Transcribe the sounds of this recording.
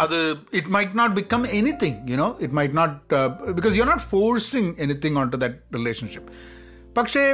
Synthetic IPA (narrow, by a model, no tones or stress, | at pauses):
ɐd̪ɨɪʈmaɪʈnɔːʈ̚bɪkʌ̃menit̪ʰɪ̃ŋjuñoːɪʈmaɪʈnɔːʈ̚bɪkɔːzjuɐɾnɔːʈfoːɾsɪ̃ŋenit̪ɪ̃ŋãɳʈud̪æʈ̚ɾɪleːʃə̃nʃɪpː | ɐkʂe